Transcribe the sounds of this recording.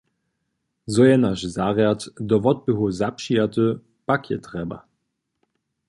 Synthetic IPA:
zɔjɛnaʃzaʁjatdɔvɔt̚bəɦuzapʃijatə | pakʰjɛ̰tʁɛba̰

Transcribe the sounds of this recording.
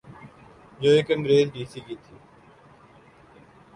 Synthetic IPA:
d͡ʒoːekənɾeːlɖiːsiːkiːt̪ʰiː

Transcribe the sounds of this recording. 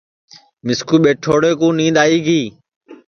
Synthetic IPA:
mɪskuːɓeːʈʰoːɽeːkũːnĩːnd̪aːiːɡiː

